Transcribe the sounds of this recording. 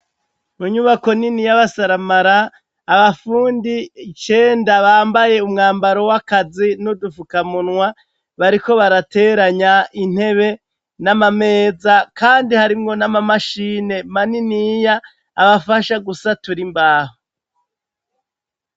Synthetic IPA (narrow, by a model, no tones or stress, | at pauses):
muɲuβako̞ninijaβasaɾamaɾaː | βafuːndit͡ʃe̞ːndaβaːmbaje̞umŋaːmbaɾo̞wakazinudufukamunŋwa | βaɾiko̞βaɾate̞ːɾaɲain̥he̞βe̞ | namame̞ːzakaːndihaɾimŋo̞namamaʃiːne̞maninijaː | βafaʃaɡusatuɾimbaːho